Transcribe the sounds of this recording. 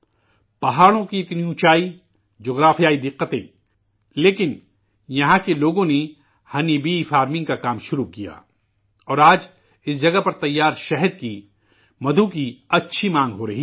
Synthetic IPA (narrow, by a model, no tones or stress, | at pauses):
pɐɦaːɽõkiɪt̪niũt͡ʃaːi | d͡ʒoːɣɾaːfijaːid̪ɪqːət̪ḛ̃ | leːkɪn | jɐɦãkeloːɡõne | hɐnibifaːɾmɪ̃ŋɡ̚kakaːmʃʊɾukija̰ː | ɔːɾaːd͡ʒ | ɪsd͡ʒɐɡapɐɾt̪ɐjːaːɾʃɛɦəd̪̚ki | mɐd̪ʱukiɐtːʃʰimãːŋɡɦoɾɐɦi